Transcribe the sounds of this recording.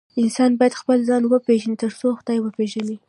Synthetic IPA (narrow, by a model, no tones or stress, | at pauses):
ɪnsɑnbɑjad̪xpəlzɑnwəpeʒanit̪əɾt͡soxd̪ɑjwəpeʒani